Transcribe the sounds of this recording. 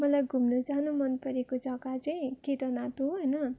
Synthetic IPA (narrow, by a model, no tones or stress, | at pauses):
mʌlajɡʱumnud͡zanumʌnpʌɾekod͡zʌkat͡sʌĩkit̪ʌnat̪uɦɦʌjnʌ